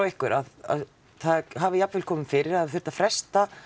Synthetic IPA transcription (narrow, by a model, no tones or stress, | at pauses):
wɪhkʏɾaða̰ð | θaðɦaːvɪjapvɪlkʰɔːmɪmfɪɾɪɾaðɪθʏɾ̥t̪afɾɛst̪a